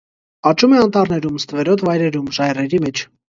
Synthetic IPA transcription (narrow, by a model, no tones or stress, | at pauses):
ɑt͡ʃumɛɑnt̪ɑɾnɛɾumst̪əvɛɾɔt̪ʰvɑjɾɛɾumʒɑjrɛɾimɛt͡ʃʰ